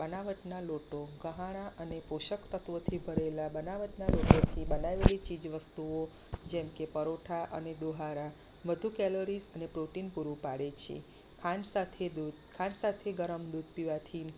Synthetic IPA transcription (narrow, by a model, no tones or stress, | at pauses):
bənaʋəʈnaloʈoɡəɦaɽ̃aʔənepoʃəkt̪ət̪ʋot̪ʰibʱəɾelabənaʋəʈnaloʈot̪ʰibənaʋelit͡ʃid͡ʒʋəst̪uo | d͡ʒɛmkepəɾoʈʰaʔə̰ned̪oɦaɾa | ʋəd̪ʱukɛloɾisənepɾoʈinpuɾũpaɽet͡ʃʰḛ | kʰansat̪ʰed̪u | kʰãnsat̪ʰeɡəɾəmd̪ud̪ʱpiʋat̪ʰi